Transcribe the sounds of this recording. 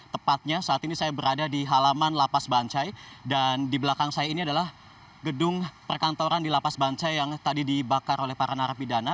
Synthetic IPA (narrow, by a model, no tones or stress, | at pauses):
t̪əpat̪̚ɲasaat̪inisajabəɾadadiɦalamanlapasbaɲt͡ʃajdandibəlakaŋsajainiadalah | ɡədʊŋpərkant̪oɾandilapasbaɲt͡ʃajːaŋt̪adidibakaɾolɛhpaɾanaɾapidana